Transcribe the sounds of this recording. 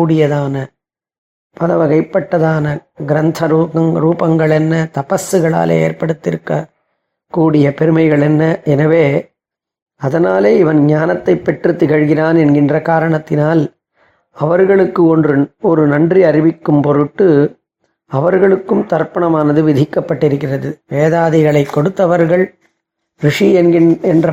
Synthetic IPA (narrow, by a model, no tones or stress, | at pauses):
kuːɽɪjɐðaːnɐ | pɐlɐʋɐɣɐɪpːɐʈːɐðaːnɐɡɪɾɐnt̪ʰɐɾuɐŋɾuːpɐŋɡɐɭɛnːɐt̪ɐpɐsːɯɣɐɭa̰ːlḛːeːrpɐɽɯt̪ːɪɾɯkːɐ | kuːɽɪjɐpɛɾɯmɐɪɣɐɭɛnːɐɛnɐʋeː | ɐðɐnaːleːɪʋɐnɲɲaːnɐt̪ːɐɪpːɛʈrɯt̪ːɪɣɐɻɣɪraːnɛnɡɪndrɐkaːɾɐɳɐt̪ːɪnaːl | ɐʋɐɾɣɐɭɯkːɯɔndrɯɔɾɯnɐndriɐɾɪʋɪkːɯmpɔɾɯʈːɯ | ɐʋɐɾɣɐɭɯkːɯmt̪ɐrpːɐɳɐmaːnɐðɯʋɪðʱɪkːɐpːɐʈːɪɾɯkːɪrɐðɯʋeːðaːðɪɣɐɭɐɪkːɔɽɯt̪ːɐʋɐɾɣɐɭ | ɾɪʂiɛnɪɛndrɐ